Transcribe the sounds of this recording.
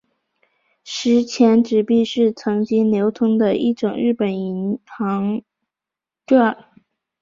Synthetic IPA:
ʂɻ̩˧˥t͡ɕʰjɛ˧˥nʈ͡ʂɻ̩˨˩pi˥˧ʂɻ̩˥˩t͡sʰɤ˧˥ŋt͡ɕi˥ŋnjo˧˥ʊt̪ʰʊ˥ŋd̪ə˧ʔi˥˩ʈ͡ʂʊ˨˩ŋɻɻ̩˥˩pə˨˩ni˧˥nxɑ˧˥ŋ | ʈ͡ʂa˥˩

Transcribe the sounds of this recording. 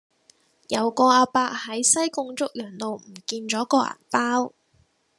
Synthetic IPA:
jɐ˨˧wkɔː˧aː˧paː˧k̚hɐ˨˥jsɐ˥jkʊ˧ŋt͡sʊ˥k̚jœː˨˩nt̪o˨wm̩˨˩kiː˧nt͡ʃɔː˨˥kɔː˧ʔa̰˨˩npaː˥w

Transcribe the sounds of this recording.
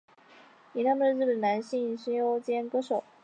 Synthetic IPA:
i˨˩na˥˩mə˥˧ɻ̩˥˩ə˨˩nna˧˥nɕi˥˧ŋɕi˥jo˥ʊt͡ɕjɛ˥nkɤ˥ʂo˨˩˦ʊ

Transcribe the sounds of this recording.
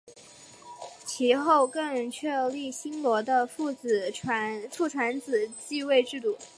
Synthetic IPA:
t͡ɕʰi˧˥xo˥˧ʊkɤ˥˧ŋt͡ɕʰɥɛ˥˧li˥˩ɕi˥nlwɔ˧˥d̪ə˧fu˥˩t͡sɹ̩ʰ˨˩a˧˥fu˥˩ʈ͡ʂʰwa˧˥nt͡sɹ̩˨˩t͡ɕi˥˧we˥˧ɪʈ͡ʂɻ̩˥˧t̪u˥˩

